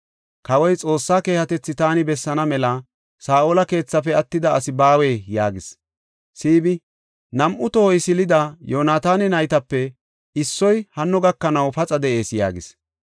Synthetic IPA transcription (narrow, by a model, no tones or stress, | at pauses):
kɐwɔjt͡sʼo̞ːsːaːke̞ːhɐt̪ɛt͡sːɪt̪aːnɪbɛsːɐnɐmɛlɐ | saːʔoːlɐke̞ːt͡sːɐpɛɐt̪ːɪd̪ɐːsɪbaːweːjaːɡɪs | siːbɪ | nɐmʔʊt̪ɔhɔjsɪlɪd̪ɐjoːnaːt̪aːnɪnɐjt̪ɐpːɛ | ɪsːɔjhɐnːɔɡɐkːɐnɐwpɐt͡sʼɐd̪ɛʔe̞ːsja̰ːɡɪs